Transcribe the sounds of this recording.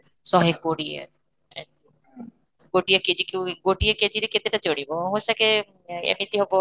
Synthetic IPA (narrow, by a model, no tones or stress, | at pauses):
sɔɦekːoɽiḛ | ɡoʈijaked͡ʒikiwɡoʈieked͡ʒiɾeket̪eʈat͡ʃoɽibɔɦõsake | ḛmit̪iɦobɔ